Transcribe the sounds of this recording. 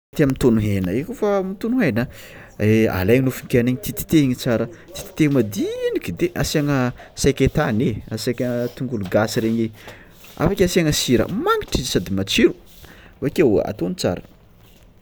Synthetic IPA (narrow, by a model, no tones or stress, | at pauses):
t̪iamint̪onuɦenəekofamit̪unuɦenə | ea̰lajɲinufuŋkʲeaneɲit̪it̪i̥t̪eiɲit͡saɾət̪i̥t̪i̥t̪emad̪iinikʲid̪eʔasaŋəsajkʲet̪aneasajkʲət̪uŋɡuluɡasiɾeɲe | a̰fakʲasiaŋəsiɾə̰maŋi̥ʈ͡ʂizsad̪imat͡ʃiɾu̥ | vakewa̰t̪onit͡sa̰ɾə